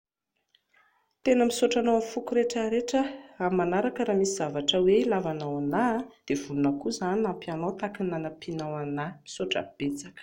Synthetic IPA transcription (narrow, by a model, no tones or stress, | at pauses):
t̪enəmisoʈ͡ʂanowafukuɾeʈ͡ʂəɾeʈ͡ʂəamanaɾakəɾamisiz̥avaʈ͡ʂəwelavanawanad̪̥ev̥ulunakuzaninampianawt̪akinanapinawanamisoʈ͡ʂə̰b̥et͡sakə̥